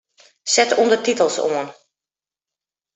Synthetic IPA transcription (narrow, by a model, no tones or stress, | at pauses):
sɛtundərtitəlˠsoən